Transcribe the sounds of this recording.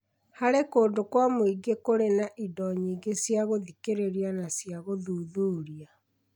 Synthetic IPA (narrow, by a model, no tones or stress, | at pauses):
haɾekoːndokwamoiɡekoɾenaʔidɔɲiːɡesjaɣoðikeɾeɾianasjaɣoðuðuːɾia